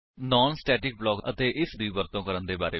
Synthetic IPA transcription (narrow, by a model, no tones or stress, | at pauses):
nɔːnsʈɛːʈɪk̚blɔːkə̰t̪eːʔɪsd̪iːbəɾt̪õːkəɾənd̪eːbaːɾḛː